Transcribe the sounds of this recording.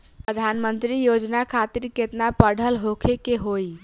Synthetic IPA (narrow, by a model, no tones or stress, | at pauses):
pəd̪ʱanmənt̪ɾijod͡ʒnakʰat̪iɾket̪napəɽ̤ʱəlɦokʰekeɦoj